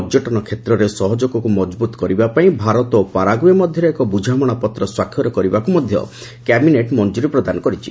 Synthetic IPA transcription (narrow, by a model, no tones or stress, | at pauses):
d͡ʒɔʈɔnɔkʰet̪ɾɔɾesɔɦɔd͡ʒokɔkumɔd͡ʒbut̪ɔ̥kɔɾibapaĩbʱaɾɔt̪opaɾaɡuemɔd̪ʱjɔɾɔekɔbud͡ʒʱamɔɽ̃ɔpɔt̪ɾɔswakʰjɔɾɔkɔɾibakumɔd̪ʱjɔ̰ | kɛbineʈmɔnd͡ʒuɾipɾɔd̪anɔkɔɾit͡ʃʰḭ